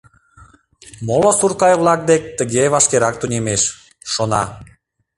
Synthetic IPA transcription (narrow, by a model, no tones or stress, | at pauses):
molosurkɑjβlˠɑk̚d̪ek̚ʲt̪əɣeβɑʃkeɾɑk̚t̪unʲemeʃ | ʃonɑ̰